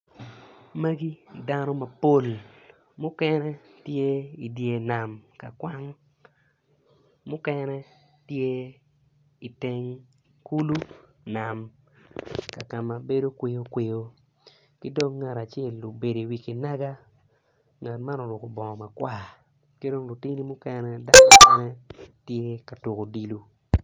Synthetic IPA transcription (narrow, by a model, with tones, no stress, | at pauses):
me˦ɡi˦da˦no˦mɐ˨po˦l | mʊ˦kɛ˦nɛ˦tje˦i˨dje˨na˨mka˨kwa˦ŋ | mʊ˦kɛ˦nɛ˦ | tje˦ | i˨te˦ŋ | ku˦lu˦ | na˨m | ka˨ka˨ma˨be˦do˦kwe˦jo˦kwe˦˨jo˦ | kɪ˦do˦ŋːa˨ɾa˨t͡ʃɛ˦˨lːo˨be˨de˨wi˨ki˨na˦ɡa˦ | ŋa˨tma˦no˨nʊ˨ko˨bɔ˨ŋɔ˨ma˨kwa˦˨ | ki˦do˦ŋlu˨ti˦ni˦mʊ˦kɛ˦nɛ˦da˦kɔ˨˦nɛ˦tje˦ka˨tu˨ko˨di˨lu˦